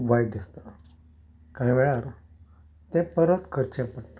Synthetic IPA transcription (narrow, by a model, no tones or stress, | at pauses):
ʋajɖist̪a | kaɦiʋɛɭaɾ | t̪ẽpəɾət̪kʰəɾt͡ɕepəɽt̪ḁ